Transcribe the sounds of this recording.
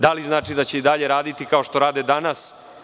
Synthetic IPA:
d̪aliznaːt͡ʂid̪at͡ɕe̞id̪aʎe̞ɾaːd̪it̪ikao̞ʃt̪o̞ɾaːd̪ed̪anas

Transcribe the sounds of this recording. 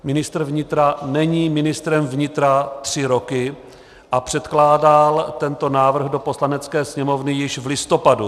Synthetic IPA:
mɪnɪst̪r̩vɲɪt̪ɾanɛɲiːmɪnɪst̪ɾɛmvɲɪt̪ɾat̪r̝̥ɪɾo̞kɪ | ʔapr̝̥ɛt̪klaːdalt̪ɛnt̪o̞naːvr̩ɣdo̞po̞slanɛt͡skɛːsɲɛmo̞vnɪjɪʃvlɪst̪o̞padu

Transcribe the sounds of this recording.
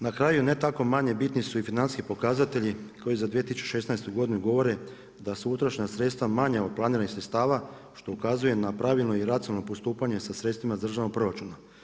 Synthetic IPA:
nakɾaːjune̞t̪ako̞maɲe̞bit̪nisuifinansi̥skipo̞kazat̪e̞ʎiko̞jizad̪ʋijet̪isut͡ʃu̥ʃe̞snaest̪uɡo̞d̪inuɡo̞ʋo̞ɾe̞ | d̪aseut̪ɾaʃɲasɾe̞t̪st̪ʋamaɲaod̪̚planiːɾanixsɾet̪st̪aːʋa | ʃt̪o̞ukazuje̞napɾaʋilno̞iɾat̪sinalno̞post̪uːpaɲe̞sasɾe̞t̪st̪ʋimazd̪r̩ʒaʋnopɾoɾat͡ʃuna

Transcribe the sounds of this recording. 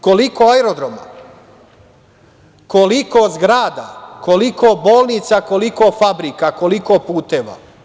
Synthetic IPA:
kolikoaeɾod̪ɾoma̰ | kolikozɡɾaːd̪a̰kolikoboːlˠnit̪sako̞likofabɾikako̞likopuːt̪eʋa̰

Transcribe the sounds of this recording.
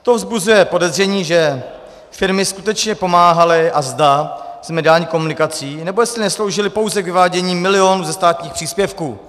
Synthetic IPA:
t̪ovzbuzujɛpo̞dɛzr̝ɛɲiːʒɛ | fɪɾmɪskut̪ɛt͡ʃɲɛpo̞maːɦalɪʔazd̪az̥mɛdɪalɲiːkomunɪkat͡siːnɛbo̞jɛstlɪnɛslo̞wʒɪlɪpo̞wzɛɡvɪvaːɟɛɲiːmɪlɪo̞nuːzɛst̪aːt̪ɲiːxpr̥iːspjɛfkuː

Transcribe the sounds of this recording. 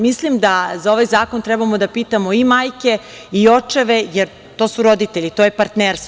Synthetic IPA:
mislˠimd̪azao̞ʋajzaːko̞nt̪ɾɛbamo̞d̪apiːt̪amoimaːjke̞ | io̞t͡ʂeʋejeɾ | t̪o̞ːsuɾo̞d̪it̪eʎit̪ojepaɾt̪neɾst̪

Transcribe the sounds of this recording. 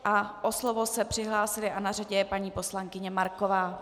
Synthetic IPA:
ʔaʔoslovosɛpr̥ɪɦlaːsɪlɪʔanaraɟɛjɛpaɲiːpo̞slaŋkɪɲɛmaɾko̞vaː

